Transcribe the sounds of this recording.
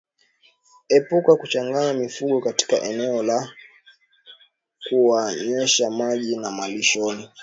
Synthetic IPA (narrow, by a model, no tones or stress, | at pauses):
ɛpukakut͡ʃaŋɡaɲamifuɡɔkati̥kaʔɛnɛɔla | kuwaɲɛʃamaʄinamaliʃɔni